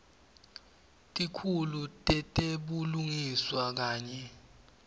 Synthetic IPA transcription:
tʼikʰulutʼɛtʼeɓuluŋiswak̬aːɲɛ

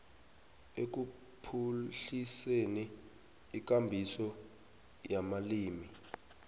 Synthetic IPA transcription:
ek̬u | pʰuɬiseniː | k̬ambʱisɔ | jamaliːmi

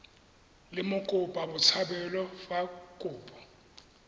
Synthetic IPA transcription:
lɪmʊkʼʊpʼabʊt͡sʰabɛlɔfakʼuːpʼɔ

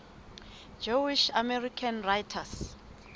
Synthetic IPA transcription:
d͡ʒowiʃamɛrikʰanrajtʰas

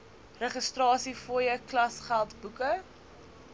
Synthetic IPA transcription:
rəχəstrɑːsifoːjəklɐsχælˠtbukə

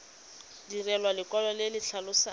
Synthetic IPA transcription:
dirɛlwalɪkɔlɔlɪlɪɬʰalʊsa

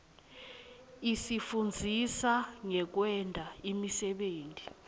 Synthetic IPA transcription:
isifund͡zʱisaŋɛk̬wɛndʱaimisɛɓeːnti

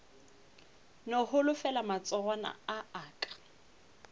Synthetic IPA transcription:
nɔhʊlʊfɛlamat͡sʼɔɣana̰aaːkʼḁ

